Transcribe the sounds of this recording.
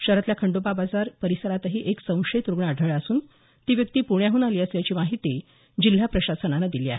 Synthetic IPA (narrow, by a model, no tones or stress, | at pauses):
ɕəɾət̪ljakʰəɳɖopabad͡zaɾpəɾisəɾat̪əɦiːʔeksə̃w̃ʂet̪ɾuɡɳəaɖʱəɭəsuːn | t̪iːʋjək̚t̪iːpuɳjaɦuːnaliːəsljat͡ɕiːmaɦit̪i | d͡ʑil̤japɾəɕasənanad̪iliːa̰ɦe